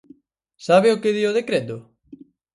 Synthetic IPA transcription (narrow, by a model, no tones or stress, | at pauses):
saβɪokeðioð̞ekɾet̪ʊ